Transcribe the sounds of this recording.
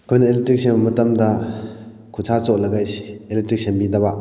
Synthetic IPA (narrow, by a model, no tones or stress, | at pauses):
kʰojnɐeletɾik̚sembɐmɐtɐmdɐ | kʰut͡ʃʰat͡sɔʔlɐɡajsi̥eletɾik̚sembidɐba